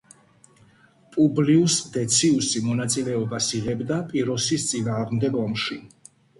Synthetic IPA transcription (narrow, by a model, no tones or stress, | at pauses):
pʼubliusd̪ɛt̪sʰiusimɔnat̪sʼilɛɔbasiʁɛbd̪apʼiɾɔsist̪sʼinaːʁmd̪ɛɡɔmʃi